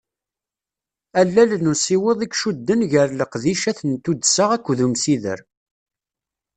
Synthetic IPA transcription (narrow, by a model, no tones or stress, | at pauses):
ælːælənusiweðˤikʃud̪ːənʝəɾləqðiʃæθənt̪ud̪səʁækʷːðumsiðə̰ɾ